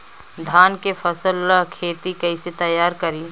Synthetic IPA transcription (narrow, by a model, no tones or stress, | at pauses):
d̪ʱaːnkepʰɐsəlkʰeːt̪ikɐɪset̪ɐjːaːɾkəɾi